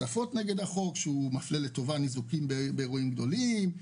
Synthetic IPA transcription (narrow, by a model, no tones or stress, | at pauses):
afo̞tneɡe̞daχo̞kʃeumafleleto̞vanizukimbbeːʁoimɡd̪o̞lim